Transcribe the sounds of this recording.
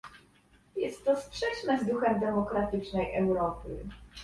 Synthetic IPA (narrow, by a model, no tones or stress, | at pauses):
jɛst̪ːɔspʂɛt͡ʂnɛzd̪uxɛmd̪ɛmɔkɾat̪ɘt͡ʂnɛjʔɛwɾɔpɘ̰